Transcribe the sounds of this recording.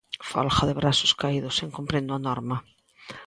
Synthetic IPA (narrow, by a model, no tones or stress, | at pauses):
fɔ̰lxaðɪβɾasʊ̥skaiðʊseŋkompɾẽnd̪ʊanɔɾmɐ